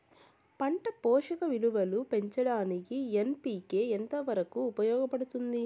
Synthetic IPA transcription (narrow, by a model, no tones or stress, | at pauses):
pɐɳʈɐpɔːʂɐkɐʋiluʋɐlupe̞ɲt͡ʃɐɽaːnikienpiːke̞ːent̪ɐʋɐɾɐkuːpɐjɔːɡɐpɐɽut̪und̪i